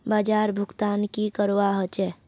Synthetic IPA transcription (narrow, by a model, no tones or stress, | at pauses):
baːd͡ʒaːɾbʱʊɡt̪aːnkikəɾwaɦət͡ʃɛ